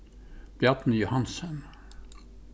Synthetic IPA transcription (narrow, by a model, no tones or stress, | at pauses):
b̥jæt̪n̩jʊhɑnsən